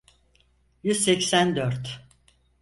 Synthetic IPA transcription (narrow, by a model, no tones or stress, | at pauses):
jyzsɛcsænd̪øɾt̪